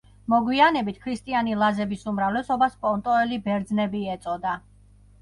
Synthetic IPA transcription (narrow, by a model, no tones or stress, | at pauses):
mɔɡwianɛbit̪ʰkʰɾist̪ʼianilˠazɛbisumɾavlɛsɔbaspʼɔnt̪ʼɔɛlibɛɾd̪znɛbiɛt̪sʼɔd̪a